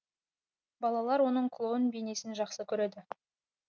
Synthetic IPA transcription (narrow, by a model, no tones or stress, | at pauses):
bɑlˠɑlˠɑɾwo̞nəɴkʰlˠonbene̞sɪnʒɑqsəkʲʰɵɾed̪ɪ